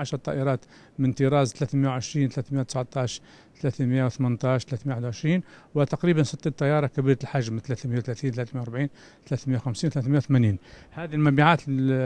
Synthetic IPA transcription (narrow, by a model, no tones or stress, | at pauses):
ʕaʃɾˤɑt̪ˤːɑ̰ʔəɾˤɑt̪ | mənt̪iɾˤɑzt̪læt̪məjawʕəʃɾiːnt̪læt̪mjawt̪əsʕt̪ˤɑʃ | t̪læt̪mjawθmənt̪ˤɑʃt̪læt̪mjawħəd̪uʕəʃɾiːnwət̪ɑqɾibənsət̪ːˤit̪ˤːɑjːɑɾˤɑkæbiɾɑt̪əlħaʒmt̪læt̪məjawt̪læt̪iːnt̪læt̪mjawɾbʕiːn | t̪læt̪mjawxæmsiːnwt̪læt̪mjawt̪mæniːnhæd̪ilmæbiʕat̪